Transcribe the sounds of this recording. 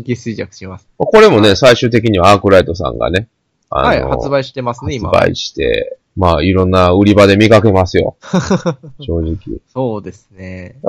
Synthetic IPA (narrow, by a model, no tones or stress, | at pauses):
ɡʲisɨid͡ʑakɯ̟̥ɕimasɨ̥mako̞ɾe̞mo̞ne̞saiɕɨːt̪e̞k̬ʲiɲ̟iβaaːkɯ̟ɾait̪o̞s̬ã̰ŋɡa̰ne̞ | a̰nohat͡sɨbaiɕi̥t̪emasnaeɨba̰ḭɕi̥t̪e̞̰ | maːiɾõ̞nːaɯ̟ɾʲibad̪e̞mʲikake̞masɨjo̞̰ | ɕo̞ːʑikʲḭsoːd̪e̞sɨne